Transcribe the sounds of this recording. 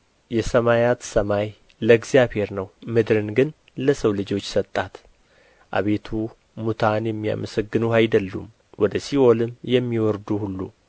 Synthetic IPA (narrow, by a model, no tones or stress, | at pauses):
jɛsəmajat̪səmaj | ləɡzijaβhe̞ɾnəwmɨd̪ɾɨnɡɨn | ləsəwlɨd͡ʒo̞t͡ʃːsət̪ʼːat̪ | ʔa̰βe̞t̪ʰu | mut̪ʰanjɛmːija̰məsəɡːɨnuhajd̪əlːṵm | wɔd̪əsiʔo̞lɨmjɛmːiwɔɾd̪uhulːu